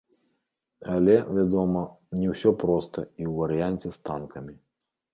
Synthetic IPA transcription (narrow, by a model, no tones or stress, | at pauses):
alʲɛvʲad̪ɔmɐ | nʲɛwsʲɔpɾɔst̪ɐ̰iwvɐɾɨjanʲt͡sʲɛst̪ankɐmʲi